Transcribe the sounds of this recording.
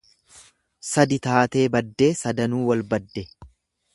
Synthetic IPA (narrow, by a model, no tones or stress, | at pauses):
sɐd̪ɪt̪aːt̪e̞ːbɐd̪ːe̞ːsɐd̪ɐnuːwɐlbɐd̪ːɛ